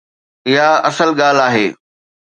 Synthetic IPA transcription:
ɪɦaɐsəlɠaːl̤aːɦḛː

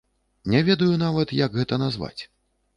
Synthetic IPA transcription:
nʲɛvʲɛd̪ɐjunavɐt̪jɐɡɣɛt̪ɐnazva̰t͡sʲ

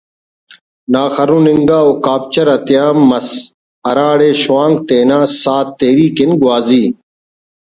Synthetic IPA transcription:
naːxɐɾũːniŋɡaːoːkaːp̚t͡ɕɐɾɐt̪ijaːmːɐs | ɐɾaːɽeːɕuwaːŋɡt̪eːnaːsaːt̪ːeːɾiːkinɡwaːziː

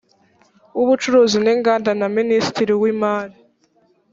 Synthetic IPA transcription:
uβut͡ʃuɾuːzineːŋɡaːndanaministiɾiwiːmaːɾi

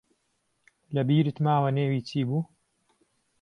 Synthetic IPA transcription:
lɐbiːɾɨt̪maːwɐneːwiːt͡ʃiːbuː

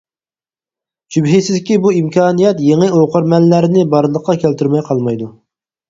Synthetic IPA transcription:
d͡ʒybɦɪsɪzɪkʲibuimkʲʰɑːnijɛt̪jeŋɨoqəɾmɛlːæɾɪnɪbɑɾlˠəqʰːɑkʲʰælt̪yɾmɛjqʰɑlˠmɑjd̪u

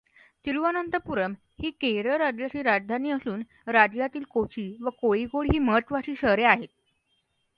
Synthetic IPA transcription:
t̪iɾuʋanənt̪əpuɾəm | hiːkeɾəɾad͡ʑjat͡ɕiːɾad͡ʑd̪ʱaniːəsuːn | ɾad͡ʑjat̪iːlkot͡ɕiːʋəkoiɡoɭɦiːməɦət̪ʋaɕiːɕəɦɾeaɦet̪̚

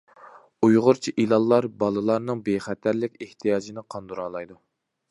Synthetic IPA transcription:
ujʁʊɾt͡ʃʰiʔilˠɑlˠːɑɾbɑlˠɨlˠɑɾnɨŋbeχɛt̪ʰæɾlɪkʲeht̪ʰijɑːd͡ʒinɪqʰɑnd̪uɾɑːlˠɑjd̪u

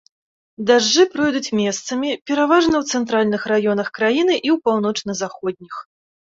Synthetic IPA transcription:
d̪aʐd͡ʐɨpɾɔjd̪ut͡sʲmʲɛst̪sɐmʲipʲɛɾavaʐnɐwt̪sɛnt̪ɾalʲnɨxɾajɔnɐxkɾajinɨʔiwpawn̪ɔt͡ʂnɐzaxɔd̪̚ʲnʲix

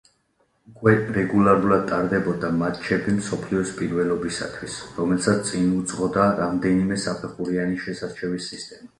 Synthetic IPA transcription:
ukʼwɛɾɛɡulˠaɾulˠad̪̚t̪ʼaɾd̪ɛbɔd̪amat̪ʰt͡ʃʰɛbimsɔpʰliɔspʼiɾvɛlɔbisa̰t̪ʰwisɾɔmɛlsat̪t̪sʼinut̪sʼʁɔd̪aɾamd̪ɛnimɛsapʰɛχuɾianiʃɛsaɾt͡ʃʰɛvisist̪ʼɛma

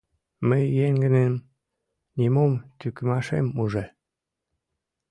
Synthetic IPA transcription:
məjːeŋɡə̆nem | nʲimomt̪ykəmɑʃḛmuʒe

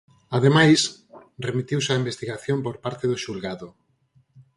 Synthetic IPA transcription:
aðemajs | remit̪iwsaimbest̪iɣaθjompoɾpaɾt̪eðoʃulɣaðo

